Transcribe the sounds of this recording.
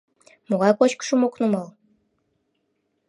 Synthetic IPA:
moɣɑjkot͡ɕkə̥ʃəmoknumɑlˠ

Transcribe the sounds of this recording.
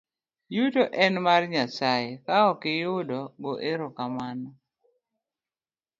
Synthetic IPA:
jutoʔɛnmarɲasaɪkaɔkɪjʊdɔɡɔʔeɾokamanɔ

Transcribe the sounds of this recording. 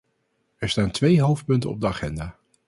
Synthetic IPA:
ɛɹstaːntʋejɦowft̚pɵntə̰nɔ̰b̚dəaχɛndaː

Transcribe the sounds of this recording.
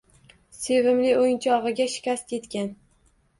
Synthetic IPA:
se̞vɪmlɪojnt͡ʃʰɒʁɨɡʲaʃɪ̥kʲast̪je̞t̪kʲan

